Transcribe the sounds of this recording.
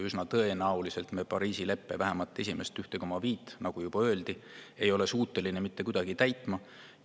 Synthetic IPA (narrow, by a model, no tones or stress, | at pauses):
ysnɑt̪ɤ̞e̞nɑwlise̞lt̪mepɑɾiːsile̞pˑːe̞̰væɦemɑlt̪ːˑe̞s̬ʲime̞st̪yht̪e̞komɑviːt̪ˑːnɑɡ̥ujub̥ɑø̞ːld̪̥ie̞jo̞le̞suːt̪ːˑe̞line̞mit̪ːe̞kud̪̥ɑɡ̥it̪æjt̪ˑmɑ